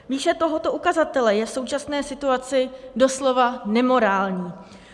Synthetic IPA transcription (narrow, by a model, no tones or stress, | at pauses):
viːʃɛt̪o̞ɦo̞t̪o̞ʔukazat̪ɛlɛjɛfso̞wt͡ʃasnɛːsɪt̪uat͡sɪdo̞slo̞vanɛmo̞ɾaːlɲiː